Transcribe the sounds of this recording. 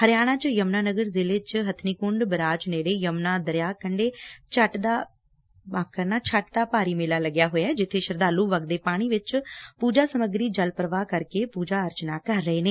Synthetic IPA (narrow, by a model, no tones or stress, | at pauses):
həɾjaːɽ̃ãːt͡ʃjəmnaːnəɡəɾzɪleːt͡ʃɦət̪ʰniːkʊɳɖbəɾaːt͡ʃneːɽeːjəmnaːd̪əɾɪjaːkəɳɖeːt͡ʃʰəʈd̪aː | kəɾnaːt͡ʃʰəʈd̪aːpaːɾiːmeːlaːləɡjaːɦoːjaɛːd͡ʒɪt̪ʰːeːʃəɾd̪aːluːʋəɡd̪eːpaːɽ̃iːʋɪt͡ʃpuːd͡ʒaːsəməɡɾiːd͡ʒəlpəɾəʋaːkəɾkeːpuːd͡ʒaːəɾt͡ʃnaːkəɾːəeːneː